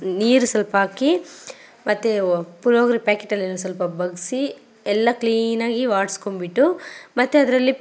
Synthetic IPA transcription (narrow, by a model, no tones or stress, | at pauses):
niːɾusɐlpɐaːki | mɐt̪ːepuɾoːɡɐɾipaːkeʈːɐlːenːus̬ɐlpɐbɐɡisi | ɛlːɐkliːnaːɡiʋaːʈskombiʈːumɐt̪ːeɐd̪ɐɾɐlːi